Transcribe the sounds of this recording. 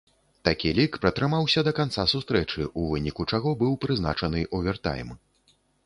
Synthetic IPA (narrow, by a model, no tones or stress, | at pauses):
t̪akʲilʲikpɾɐt̪ɾɨmawsʲɐd̪ɐkant̪sasust̪ɾɛt͡ʂɨʔuvɨnʲikut͡ʂaɣɔbɨwpɾɨzna̰t͡ʂɐnɨʔuvʲɛrt̪a̰jm